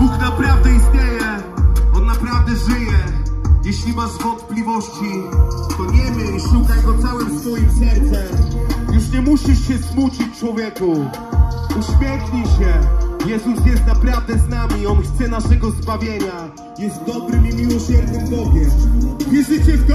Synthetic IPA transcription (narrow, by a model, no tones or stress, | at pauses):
b̥uknapɾavd̪ɛisɲejɛɔnːapɾavd̪ɛʐɘjɛjɛɕlʲimaʐvɔ̃nt̪̚plʲivɔɕt͡ɕit̪ɔɲɛmɨiʂukajɡɔt̪sawɛmsfɔjimsɛɾt̪sɛjuʂɲɛmuɕiʂɕɛsmut͡ɕɨt͡ɕt͡ʂwɔvʲjeku | uɕmʲjɛxɲiɕɛjɛzusjɛst̪̚napɾavd̪ɛznamʲiɔnxt̪sɛnaʂɛɡɔzbavʲjeɲa | jɛst̪̚d̪ɔbɾɨmimʲiwɔɕɛɾɲɨmbɔɡʲjɛmvʲiʐɨt͡ɕɛt̪